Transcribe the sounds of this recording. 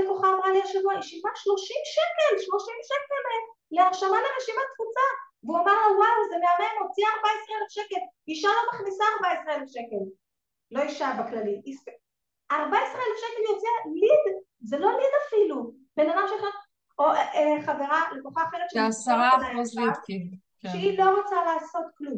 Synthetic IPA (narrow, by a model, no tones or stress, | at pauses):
koχaːmʁaliaʃavuaiʃivaʃlo̞ʃimʃekelʃlo̞ʃimʃekele | leaʁʃamaleʁeʃimat̪vut͡saveuamaʁlowawzeneaʁemot͡siaaʁbaesʁieʁefʃeke̞liʃalo̞maχnisaːʁbaesʁeeʁefʃeke̞l | lo̞iʃavaklaliʔis | aʁbaesʁeelefʃekeljot͡sialid̪ | zelo̞lid̪afilu | b̥e̞nad̪amʃeaχat | oeχave̞ʁalekoχaχeʁetʃeasaaaa | kʃeilo̞ʁot͡salaːso̞t̪klum